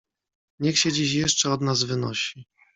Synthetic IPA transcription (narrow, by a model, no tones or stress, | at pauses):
ɲɛxɕɛd͡ʑiɕ̬jɛʂt͡ʂɛɔd̪nazvɘnɔɕi